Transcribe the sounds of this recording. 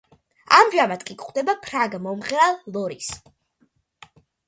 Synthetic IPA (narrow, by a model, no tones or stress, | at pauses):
amʒamat̪̚ʰkʼikʼχʼwd̪ɛbapʰɾaɡmɔmʁɾalˠːɔɾis